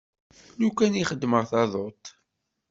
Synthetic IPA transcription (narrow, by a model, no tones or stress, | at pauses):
nukːæniχəd̪ːməʁθɑðˤot̪